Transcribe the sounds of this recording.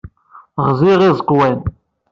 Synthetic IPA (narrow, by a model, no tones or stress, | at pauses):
ʁziʁizˤəqwæn